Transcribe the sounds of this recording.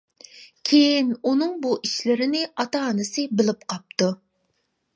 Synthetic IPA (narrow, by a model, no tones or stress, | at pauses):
kʲʰejinunɨŋbuʔiʃlɪɾɪnɪʔɑt̪ɑːnɨsɨbɪlɪp̚qʰɑp̚t̪u